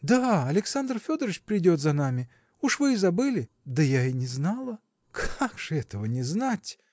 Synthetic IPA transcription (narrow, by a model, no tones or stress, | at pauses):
d̪aɐlʲɪksand̪rfʲod̪əɾɨt͡ɕpɾʲɪdʲot̪zɐnamʲɪ | uʂvɨzɐbɨlʲɪ | d̪əjainʲɪznalˠə | kʰaɡʐ̥ɨɛt̪əvənʲɪznatʲ